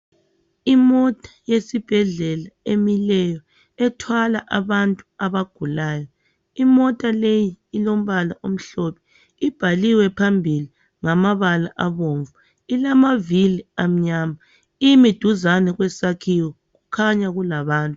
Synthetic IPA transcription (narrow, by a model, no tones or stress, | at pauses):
imɔtʼḁjesib̥ʱɛɮɛlaemilɛjɔ | ɛtʰwalaʔaβantʼu̥aβaɡ̥ʱulaːjɔ | imɔtʼalejiːlom̩βalaʔom̩ɬɔpʰɛ̥ | ib̥ʱaliwɛpʰambʱili | ŋamaβalaʔaβoːɱvu | ilamaviliam̩ɲaːma | ijmid̥ʱuzanɛɣwɛsakʰiwɔ | ɣukʰaɲaɣulaβaːntʼu